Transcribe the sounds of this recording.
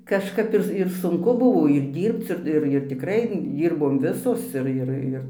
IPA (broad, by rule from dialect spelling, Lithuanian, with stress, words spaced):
kɐʃˈkɐp ˈɪr ɪr sʊŋˈkʊ ˈbʊʋoː ɪr ˈdʲiːrpt͡s ɪr ˈɪr ɪr tʲɪkˈrɐɪ ˈdʲiːrboːm ˈʋʲɪsoːs ˈɪr ˈɪr ˈɪr